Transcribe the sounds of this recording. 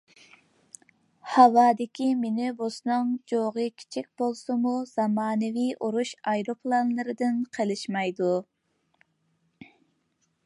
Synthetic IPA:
hɑwɑːd̪ɪkʲimenɪbosnɨŋd͡ʒoʁɨkʲʰi̥t͡ʃʰik̚ʲb̥olˠsɨmuz̥ɑmɑːnɨvijʔoɾuʃɑjɾopʰlˠɑnlˠɨɾɨd̪ɨnqʰəlˠɨʃmɑjd̪u

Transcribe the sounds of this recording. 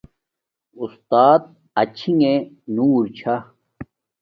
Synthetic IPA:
ust̪aːt̪̚ | ɐt͡ɕʰiŋe | nuːɾt͡ɕʰa

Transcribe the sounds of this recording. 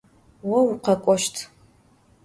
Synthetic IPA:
wɐwuqɐkʷʼɔʃtʰ

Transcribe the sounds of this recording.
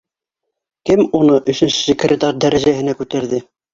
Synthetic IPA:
kɘmunɤʔɵ̆ʃɘ̆nʃɘ̥sʲɘkrʲɪt̪ɑrd̪æɾæʒæɦɘ̆nækʉt̪æɾðɘ

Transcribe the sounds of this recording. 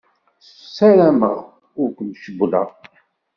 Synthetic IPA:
s | sːæɾæməʁ | ʊɾkʷənʃəblɑ̰

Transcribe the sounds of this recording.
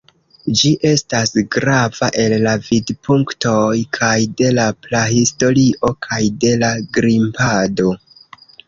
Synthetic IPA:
d͡ʒiʔe̞stasɡɾavaʔe̞lːavidpʰuŋkto̞jkʰajde̞laplahisto̞ɾiʔo̞kʰajde̞laɡɾimpado̞

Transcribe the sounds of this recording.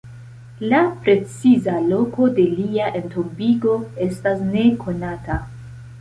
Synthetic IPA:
lapɾe̞t͡sizalo̞ko̞de̞liaʔe̞ntobiɡo̞e̞stasne̞kʰo̞nata

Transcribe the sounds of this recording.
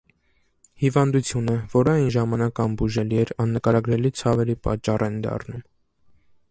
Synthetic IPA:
hivɑnd̪ut͡sʰjunəvɔɾɑjnʒɑmɑnɑkɑnbuʒɛliɛɾɑnːəkɑɾɑɡɾɛlit͡sʰɑvɛɾipɑ̰t͡ʃːɑrɛnd̪ɑ̰rnum

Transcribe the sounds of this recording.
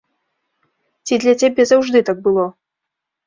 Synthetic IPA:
t͡sʲid̪lʲat͡sʲabʲɛzawʐd̪ɨt̪aɡ̚bɨlˠɔ

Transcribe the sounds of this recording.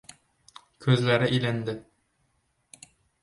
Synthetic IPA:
kʰɵzlæɾɪʔilænd̪ɪ

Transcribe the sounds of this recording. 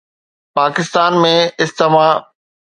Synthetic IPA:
paːkɪst̪aːnmẽɪst̪emaː

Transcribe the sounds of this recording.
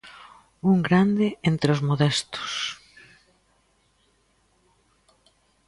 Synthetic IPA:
uŋɡɾand̪ɪent̪ɾeozmoðɛst̪ʊ̥s

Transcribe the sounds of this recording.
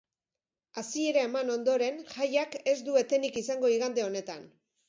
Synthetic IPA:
asie̞ɾaemano̞nd̪o̞ɾe̞nʝajake̞zd̪ue̞t̪e̞nikisaŋɡo̞iɣ̞and̪e̞o̞ne̞t̪an

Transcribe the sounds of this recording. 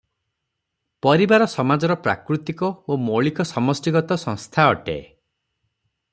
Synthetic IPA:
pɔɾibaɾɔsɔmad͡ʒɔɾɔpɾa̰kɾut̪ikɔomoɭikɔsɔmɔsʈiɡɔt̪ɔsɔ̃ŋst̪ʰaɔʈḛ

